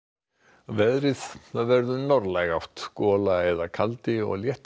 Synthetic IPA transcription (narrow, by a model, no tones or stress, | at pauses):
vɛðɾɪθθaðvɛɾðʏnɔɾlajɣawht̪skɔːlaɛðakʰalt̪ɪɔ̰ɣljɛht̪